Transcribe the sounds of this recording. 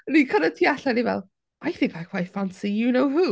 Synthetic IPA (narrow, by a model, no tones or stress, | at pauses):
nikʰʌnətʰiaɬanivɛ̰lˠ | ajθɪ̃ŋkʰajkʰw̥ajθfansijɨnowɦu